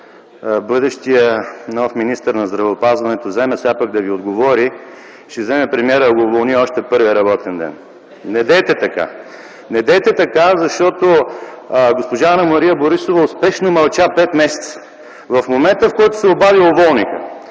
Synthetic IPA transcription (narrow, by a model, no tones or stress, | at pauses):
bɤd̪əʃt̪ijənɔfminist̪əɾnɐzd̪ɾɐvɛopazvɐnɛt̪ozɛmɛsapaɡ̚d̪ɐviod̪ɡovɔɾi | ʃɛzɛmɛpɾɛmiɛɾəɐɡoːvolˠniɔʃt̪ɛpɤɾvʲiəɾɐbɔt̪ɛnd̪ɛ̰n | nɛd̪ɛjt̪ɛt̪ɐka̰ | nɛd̪ɛjt̪ɛt̪ɐkazɐʃt̪ɔt̪o | ɡospoʒaːnɐmɐɾijɐboɾisovɐʊspɛʃnomɐlˠt͡ʃapɛt̪mɛsɛ̥t̪sə̥ | vɐfmomɛnt̪əfkɔjt̪ʊ̥sɛobaviovɔlˠnikə̰